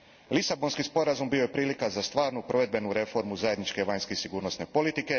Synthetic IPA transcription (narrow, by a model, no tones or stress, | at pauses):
lisabo̞nskispo̞ɾazumbio̞jepɾiːlikazast̪ʋaːɾnupɾo̞ʋe̞d̪̚be̞nuɾe̞fo̞ɾmuzajed̪nit͡ʃke̞ʋaɲskesiɡuːɾno̞sne̞po̞lit̪ike̞